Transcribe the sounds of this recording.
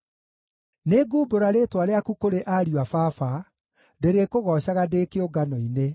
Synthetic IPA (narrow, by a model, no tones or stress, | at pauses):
neɡuːboɾaɾetwaɾeakukoɾeʔaɾiafafa | ndeɾekoɣɔɕaɣadeːkeoɡanɔine